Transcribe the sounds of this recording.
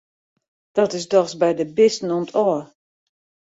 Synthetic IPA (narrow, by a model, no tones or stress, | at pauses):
d̥ɔtɪsdɔxsbɛjdəbɪstn̩ɔmtʰɔːr